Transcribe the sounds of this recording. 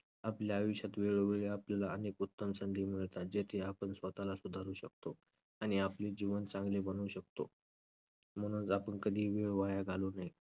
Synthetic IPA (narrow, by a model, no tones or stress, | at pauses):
apljaːʋiɕat̪ʋeɭəʋeɭiapljalaənekut̪ːəmsənd̪ʱiːm̤iɭt̪ad͡ʑet̪ʰeapəɳsʋət̪alasud̪ʱaɾuːɕək̚t̪o | añiaplid͡ʑiʋənt͡sãŋɡlebənuːɕək̚t̪o | m̤əɽ̃ũnt͡sapəɳkəd̪ʱiːʋeɭʋajaɡʱalonai